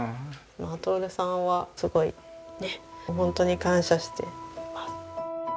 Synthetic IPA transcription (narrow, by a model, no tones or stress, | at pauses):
mat̪oːɾɯ̟sãɰ̃βasɨɡo̞ḭ | neɦõ̞nt̪o̞ɲ̟ikãɰ̃ɕaɕi̥t̪e̞̰masɨ̥